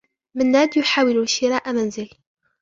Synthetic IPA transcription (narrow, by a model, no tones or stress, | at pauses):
mənːæːd̪jʊħaːwɪluʃɪɾˤaːʔamænzɪl